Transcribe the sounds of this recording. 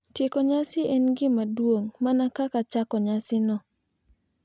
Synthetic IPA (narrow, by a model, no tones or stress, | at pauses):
tjekoɲasɪʔɛnɡɪmadwoŋmanakakat͡ʃakɔɲasɪnɔ